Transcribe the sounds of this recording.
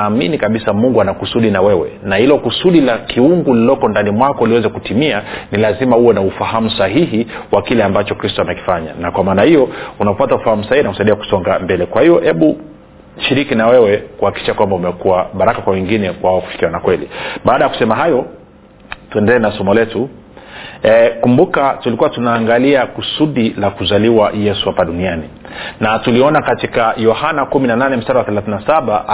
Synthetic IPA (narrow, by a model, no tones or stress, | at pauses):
aːminikaɓisamuŋɡuanakusuɗinawɛwɛ̰nahilɔkusuɗilakiuŋɡulilɔkɔndanimwakɔuliwɛzɛkutimianilazimauwɛnaufahamusaɦiɦiwakilɛambat͡ʃɔkɾistɔamɛki̥faɲa̰nakwamaːnahijɔunaɔpataufahamusahihinaku̥saiɗiaku̥sɔŋɡambɛlɛkwahijɔhɛɓu | ʃiɾikinawɛwɛkuhakiki̥ʃakwambaumɛkuwaɓaɾakakwawɛŋɡinɛkwaaɔku̥fi̥kiwanakwɛlḭɓaːɗajaku̥sɛmaɦajɔ | tuɛndɛlɛːnasɔmɔlɛtu | kumbukatulikuwatunaːŋɡaliakusuɗilakuzaliwajɛsuhapaɗuniani | natuliɔnakatikajɔhanakuminananɛm̩staɾawaθɛlaθinasaɓa